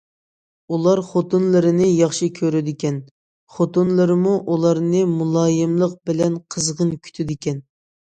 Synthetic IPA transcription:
ulˠɑɾχot̪unlˠɨɾɨnɨjɑχʃikʲʰøɾyd̪ɪkʲɛn | χot̪onlˠɨɾɨmuʔulˠɑɾnɨmulˠɑːjɪmlˠəq̚bɪlɛnqʰəzʁənkʲʰy̥t̪ʰɪd̪ɪkʲɛn

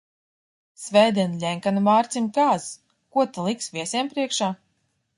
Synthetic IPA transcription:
svʲɛjd̪ʲiɛnlʲɛŋkanvaːɾt̪sʲimkaːz | kuɔt̪alˠiksvʲiɛsʲiɛmpɾiɛkʃaː

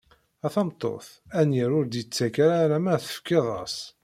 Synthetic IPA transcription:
æθɑmt̪ˤːo̰θ | ænjəɾʊɾd̪jət͡sːækaɾaɾæmæθə̥fkːɪðˤɑ̰s

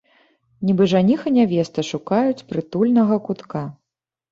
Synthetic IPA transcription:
nʲibɨʐanʲixɐnʲavʲɛst̪ɐʂukajut͡sʲpɾɨt̪ulʲnɐɣɐkut̪ka

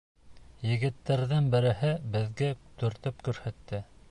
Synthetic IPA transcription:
jɘ̆ɣɘ̆t̪ːæɾðɘnbɘ̆ɾɘ̆hɘbɘ̆ðɡæt̪ɵ̆ɾt̪ɘpkʉɾhæt̪ːɘ

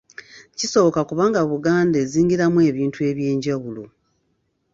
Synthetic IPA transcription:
ciso̞βokakuβaːŋɡaβuɡaːnde̞ːziːŋɡiɾamwe̞ːβiːntue̞βje̞ːɲɟawulo̰

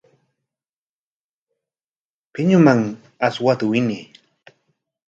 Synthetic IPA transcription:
pɪɲʊmaŋ | aswat̪ʊwɪni

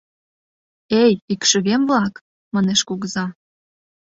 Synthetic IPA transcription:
ejikʃə̆βemvlɑk | mɑneʃkoɣzɑ

